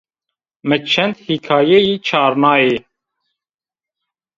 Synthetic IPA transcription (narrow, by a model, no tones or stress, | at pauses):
mət͡ʃʰːɛnd̪hikʰɑːjɛjiːt͡ʃʰɑːɾnɑːe